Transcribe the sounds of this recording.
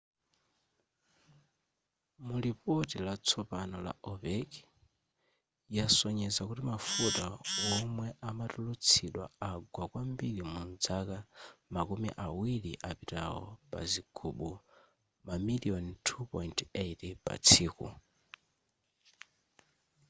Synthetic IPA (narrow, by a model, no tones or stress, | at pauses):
mulipɔtilat͡sʰɔpanɔla̰ʔɔvɛk | jasɔɲɛzakutimafutawɔmwɛʔamatulut͡sʰiɗwa̰aɡwakwambilimund͡zakamakumḭʔawiliʔapita̰wɔ̰pa̰ziɡ̥ʰuɓu | mamiliɔntʰupɔjntetpa̰t͡sʰiːkṵ